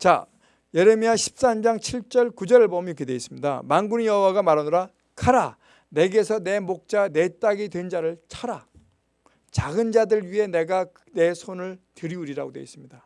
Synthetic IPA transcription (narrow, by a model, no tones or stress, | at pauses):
t͡ɕa̰ | je̞ɾemiaɕʰi̥p̚s͈and͡ʑaŋt͡ɕʰiɭt͡ɕ͈ʌɭkud͡ʑʌɾɯɭbʌmkʰedweis͈ɯmɲida̰maŋɡunijʌɦuwaɡamaɾanɯɾa | kʰaɾa | ne̞ɡesʰʌne̞mok̚t͡ɕ͈ane̞t͈aɡidwend͡ʑaɾɯɭt͡ɕʰaɾa | t͡ɕaɡɯnd͡ʑadɯɭɥiɦe̞ne̞ɡa | ne̞sʰonɯɭtɯɾiuɾiɾa̰ɡodwe̞is͈ɯmɲida